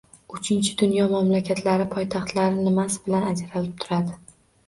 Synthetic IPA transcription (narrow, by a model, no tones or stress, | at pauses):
ʊt͡ʃʰɪnt͡ʃʰɪd̪ʊnjɒmamlakʲʰat̪ʰlaɾɪpʰɒjt̪ʰɑχt̪laɾɪnɪmasɪ̥bɪlanad͡ʒɾalɪp̚t̪ʰʊɾad̪ɪ